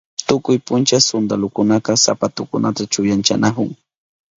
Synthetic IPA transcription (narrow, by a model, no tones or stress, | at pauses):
t̪ʊkʊjpʊnt͡ʃasʊnd̪alʊkʊnaqɑsa̰pat̪ʊkʊnʔat̪at͡ʃʊjant͡ʃa̰nakʊŋ